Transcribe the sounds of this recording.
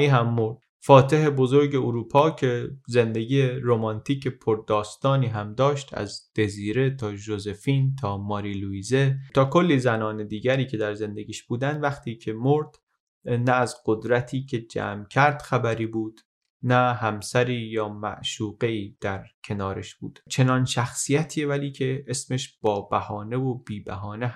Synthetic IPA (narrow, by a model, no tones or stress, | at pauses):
iːɦæmːoɾd̪̥ | fɒːt̪ʰe̞ɦe̞bo̞zo̞ɾɟe̞oɾuːpʰɒːcʰe̞ze̞nd̪e̞ɟiːjeɾomɒnt̪ʰiːcʰe̞pʰoɾd̪ɒːst̪ɒːniːɦæmd̪ɒːʃt̪ʰæ̰zd̪̥e̞ziːɾe̞t̪ʰɒːʒoze̞fiːnt̪ʰɒːmɒːɾiluiːzet̪ʰɒːkʰo̞lːiːzænɒːned̪iːɟæɾiːcʰe̞d̪æɾze̞nd̪eɟiːʃb̥uːd̪ænd̪væxt̪ʰiːcʰe̞mo̞ɾd̪̥ | næːzɢ̥od̪ɾæt̪ʰiːcʰe̞d͡ʒæ̰ːmcʰæɾd̪̥xæbæɾiːbuːd̪̥ | næɦæmsæɾiːjɒːmæ̰ʔʃuːɣe̞iːd̪̥æɾcʰe̞nɒːɾeʃb̥ṵːd̪̥t͡ʃʰe̞nɒːnʃæxsijæt̪ʰiːevæliːcʰe̞esmeʃb̥ɒːb̥æhɒːne̞vob̥iːbæɦɒːne